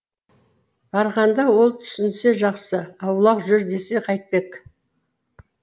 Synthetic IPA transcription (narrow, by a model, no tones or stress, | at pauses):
b̥ɑɾʁɑnd̪ɑwo̞lˠt̪ʰʏ̥sɪnse̞ʒɑqsəɑwlˠɑqʒʏɾd̪e̞se̞qʰɑjt̪̚pe̞k